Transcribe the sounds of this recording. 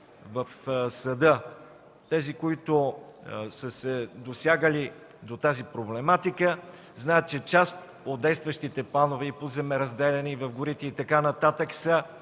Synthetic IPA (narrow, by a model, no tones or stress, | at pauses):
vəfsɐd̪ə | t̪ɛzikoit̪ʊ | səsɛd̪osʲjaɡəli | d̪ot̪azipɾoblɛmat̪ikə | znaɛt̪̚t͡ʃɛt͡ʃast̪ | od̪̚d̪ɛjst̪vəʃt̪it̪ɛplˠanovɛipozɛmɛɾɐzd̪ɛlɛnivɐvɡʊɾit̪ɛit̪ɐkanɐt̪at̪əksə